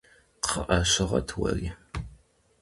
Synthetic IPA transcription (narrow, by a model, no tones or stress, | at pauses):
qʰəʔɐɕɪʁɐtʰwɐ̰riː